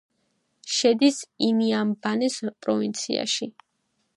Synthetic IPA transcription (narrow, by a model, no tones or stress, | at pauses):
ʃɛd̪isiniambanɛspʼɾɔvint̪sʰḭa̰ʃi